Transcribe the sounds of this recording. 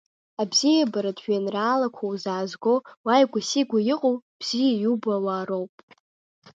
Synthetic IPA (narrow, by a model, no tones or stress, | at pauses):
abzijabaɾadʒᶣanraːlakʷʰowzaːzɡowajɡʷasiɡʷajɪqʼowb̥z̥ijajubawaːɾowpʼ